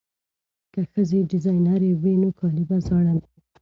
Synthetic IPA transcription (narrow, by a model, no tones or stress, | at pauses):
kaxəzeɖɪzɑjnaɾewenokʰɑlɪbazɑɽana